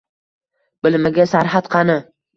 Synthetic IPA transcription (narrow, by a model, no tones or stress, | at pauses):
bɪlmɪɡʲasaɾat̪qʰɑnɪ